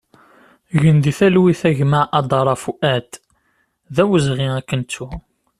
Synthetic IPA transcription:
ʝənd̪iθælwiθæʝməʕʔɑd̪ˤɑɾˤɑfuʔæt̪ | ðæwəzʁiækːənt͡sːu

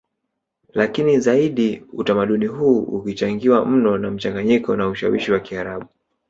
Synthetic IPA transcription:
lakinizaiɗiutamaɗuniɦuːukit͡ʃaŋɡiwam̩nɔnam̩t͡ʃaŋɡaɲikɔnauʃawiʃiwakiaɾaɓu

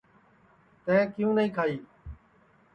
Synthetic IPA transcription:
t̪ɛ̃ːkɪjũːnəĩːkʰaːiː

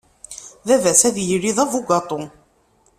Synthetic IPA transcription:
ðævæsæðjəɾiðˤævuɡɑt̪ˤo

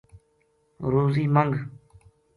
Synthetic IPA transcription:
ɾuːziːmaŋɡ

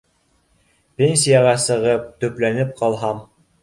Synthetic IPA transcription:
pʲenʲsʲijɑʁɑsɤ̆ʁɤp̚t̪ɵ̆plænɘp̚qɑlˠɦɑm

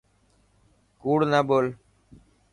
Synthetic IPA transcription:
kuːɽnaːɓoːl

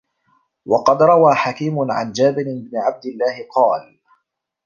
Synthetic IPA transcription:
wɑqɑd̪ɾˤɑwaːħakiːmʊʕa̰nd͡ʒaːbɪɾɪbnɪʕab̚d̪ɪlːaːhɪqɑːl

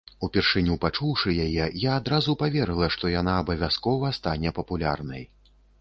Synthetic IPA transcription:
upʲɛrʂɨnʲupat͡ʂuwʂɨjajɛjaːd̪ɾazupavʲɛɾɨlˠɐʂt̪ɔjanaːbɐvʲaskɔvɐst̪anʲɛpɐpulʲa̰rnɐj

